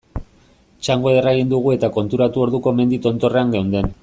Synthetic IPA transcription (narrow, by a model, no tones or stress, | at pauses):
t͡ʃaŋɡo̞eraɣind̪uɣ̞ue̞t̪ako̞nt̪uɾat̪uo̞ɾðuko̞me̞nd̪it̪o̞nt̪o̞re̞aŋɡewnd̪e̞n